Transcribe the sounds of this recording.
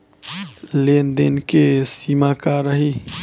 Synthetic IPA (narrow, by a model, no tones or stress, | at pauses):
leːnd̪enkesiːmakaɾəɦi